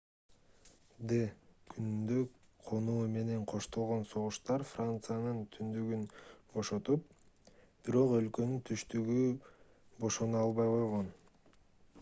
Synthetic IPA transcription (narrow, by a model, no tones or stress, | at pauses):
d̪ekʰynynd̪øqʰo̞nuːme̞ne̞ɴqʰo̞ʃt̪o̞lˠʁo̞nso̞ʁuʃt̪ɑɾfrant̪sɨjanɯnt̪ʰynd̪yɡynbo̞ʃo̞t̪up̚ | b̥iɾo̞qø̞lkø̞nynt̪ʰyʃt̪yɡy | bo̞ʃo̞nuɑlˠβɑjqo̞jʁo̞n